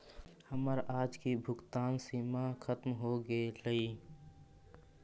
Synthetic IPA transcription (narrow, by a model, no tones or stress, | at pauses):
həməɾaːd͡ʒkibʱʊkt̪aːnsiːmakʰət̪mɦoɡeləiː